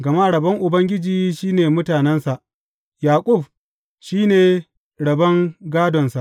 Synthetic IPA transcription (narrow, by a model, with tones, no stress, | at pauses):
ɡɐ˨ma˦ʔɽɐ˨bɐ˦ŋʔʊ˨bɐ˦ŋɡʲɪ˦d͡ʒiː˦ʃiː˦neː˨mʊ˦taː˨nɛ˦nsa˨ʔ | jaː˨kʷʼʊ˦˨b̚ | ʃiː˦neː˨ | ɽɐ˨bɐ˦ŋɡaː˦dɔ˨nsa˨ʔ